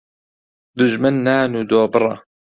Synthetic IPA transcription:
d̪ʊʒmanːaːnuːd̪oːbɨɾˤɑ̰

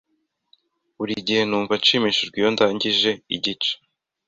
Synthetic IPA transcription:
uɾiɟihe̞nuːɱvat͡ʃiːmiʃiɾɡijondaːɲɟiʒe̞ḭɟit͡ʃe̥

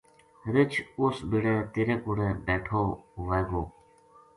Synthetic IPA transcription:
ɾit͡ɕʰusbiɽẽt̪iɾekuɽẽbeːʈʰouʋeɡoː

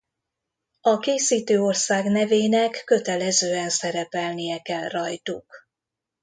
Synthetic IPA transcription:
ɒkeːsiːt̪øːo̞rsaːɡnɛveːnɛkːø̞t̪ɛlɛzøːɛnsɛɾɛpɛlnijɛkɛlrɒjt̪uk

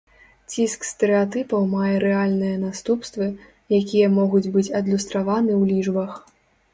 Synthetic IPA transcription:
t͡sʲiskst̪ɛɾɨat̪ɨpɐwmajɛɾɛalʲnɨjɐnast̪upst̪vɨ | jakʲijɐmɔɣud͡zʲbɨt͡sʲɐd̪lʲust̪ɾavanɨwlʲiʐbɐx

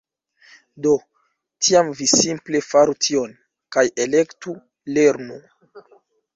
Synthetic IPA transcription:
do̞ | tʰiamvisimple̞faɾutʰio̞n | kaje̞le̞ktu | le̞ɾnu

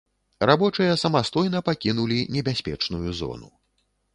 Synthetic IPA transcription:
rabɔt͡ʂɨjɐsɐmast̪ɔjnɐpakʲin̪ulʲinʲɛbʲasʲpʲɛ̰t͡ʂnujuzɔ̰nu

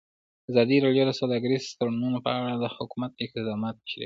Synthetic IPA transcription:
azɑd̪iɾɑɽjod̪əsawd̪ɑɡaɾizst̪ɾanmunopə̰aɽad̪əhʊkumat̪̚d̪əɪqt̪ɪd̪ɑmɑt̪̚əʃɾḭ

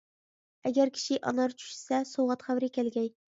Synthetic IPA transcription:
ɛɡʲɛɾkʲʰi̥ʃɪʔɑ̰nɑɾt͡ʃʰy̥ʃsɛsowʁɑt̪χæwɾɪkʲælɡʲɛj

